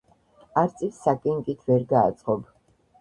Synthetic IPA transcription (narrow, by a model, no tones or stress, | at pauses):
aɾt̪sʼifsakʼɛŋkʼit̪ʰvɛɾɡa̰ːt̪sʼqʼɔb